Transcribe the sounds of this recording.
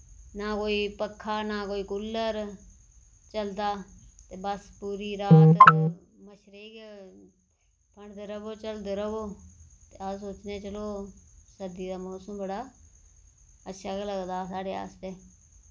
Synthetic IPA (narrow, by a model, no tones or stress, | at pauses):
naːkoːiːpəkʰːaːnaːkoːiːkʊlːəɾ | t͡ʃəld̪aːt̪eːbəspuːɾiːɾaːt̪ | məʃɾeːk | pəɳd̪əɾəboːt͡ʃəld̪əɾəboːt̪eːəsoːt͡ʃneːt͡ʃəloːsəd̪iːd̪aːmoːsəmbəɽaː | ətːʃʰaːkeləɡd̪aːs̬aːɽeːa̰ːst̪eː